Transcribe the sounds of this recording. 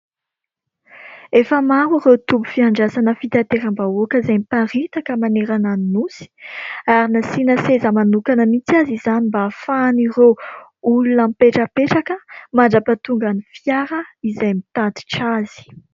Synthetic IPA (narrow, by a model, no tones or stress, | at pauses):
efəmaɾirewt̪ubu̥fiaɳɖ͡ʐasanəfit̪at̪eɾambaokəizajmipaɾit̪akəmaneɾananinusi̥aɾinasinəsezəmanukanəmit͡siazizanimbafanireulunampeʈ͡ʂəpeʈ͡ʂakəmaɳɖ͡ʐapat̪uŋɡanifjaɾəizajmit̪at̪i̥ʈ͡ʂazi̥